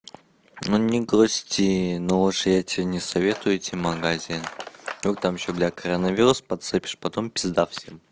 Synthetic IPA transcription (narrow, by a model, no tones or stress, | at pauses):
nunʲɪɡɾosʲtʲinooʂɨjatʲɪnʲɪsɐvʲet̪ʊjʊɛtʲɪmɐɡazʲinok̚t̪amiɕoblʲakɐɾənɐvʲiɾʊspɐt̪sɨpʲɪ̥ʂpɐt̪ompʲɪzd̪afsʲem